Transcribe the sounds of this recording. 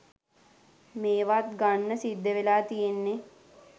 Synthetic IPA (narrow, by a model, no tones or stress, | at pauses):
meːʋat̪ɡanːəsid̪ːeʋelaːt̪ijenːe